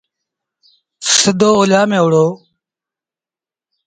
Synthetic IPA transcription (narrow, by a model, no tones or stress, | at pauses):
səd̪ʱoːoːlaːmẽːʊɽoː